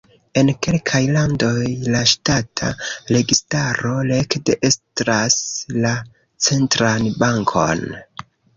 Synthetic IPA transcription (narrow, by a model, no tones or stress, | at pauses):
e̞nke̞lkʰajlando̞jlaʃtatʰa̰ɾe̞ɡistaɾo̞le̞kde̞ʔe̞stɾasla | t͡se̞ntɾanbaŋkʰo̞̰n